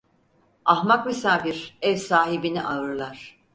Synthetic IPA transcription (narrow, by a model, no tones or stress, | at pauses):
ahmakmisaːfiɾɛvsaːɦibiniʔaɾlˠaɾ̥